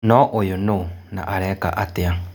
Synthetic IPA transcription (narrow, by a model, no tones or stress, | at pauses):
nɔ̃ʔojonunã̰ʔaɾɛka̰ʔat̪ea